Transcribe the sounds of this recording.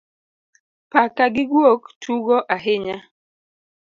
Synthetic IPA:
pakaɡɪɡwoktʰuɡɔʔaɦɪɲa

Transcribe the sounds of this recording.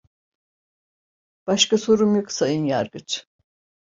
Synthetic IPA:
b̥aʃkasoɾumjuksajɯnjaɾɡɯt͡ʃ

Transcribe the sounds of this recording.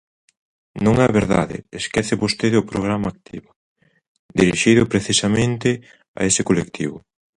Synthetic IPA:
nõŋɛɐβeɾða̰ðɪ̰eskɛθɪβost̪eðeʊpɾoɣ̞ɾamaːk̚t̪iβʊ | d̪iɾiʃiðʊpɾeθisamẽnt̪ɪ | a̰esɪkolekt̪ʰiβʊ

